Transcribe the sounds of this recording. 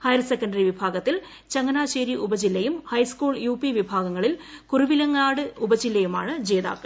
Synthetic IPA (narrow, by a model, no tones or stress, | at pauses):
hɐjɐrsekːɐɳnɖɐriʋibʱaːɡɐt̪ːil | t͡ɕɐŋːɐnaːɕeːɾiʔubɐd͡ʑilːɐjumhɐjskuːɭjuːpiʋibʱaːɡɐŋːɐɭilkuruʋilɐŋːaːɽɨubɐd͡ʑilːɐjumaːɳɨd͡ʑe̞ːða̰ːkːɨ